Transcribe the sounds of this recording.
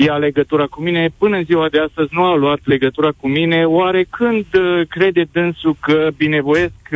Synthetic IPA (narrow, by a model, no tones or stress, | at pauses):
jeale̞ɡət̪uɾakumine̞pɨnəɨnziwad̪east̪əzʲnualuat̪le̞ɡət̪uɾakumine̞waɾe̞kʰɨnd̪kɾe̞d̪e̞d̪ɨnsukəbine̞vo̞je̞sk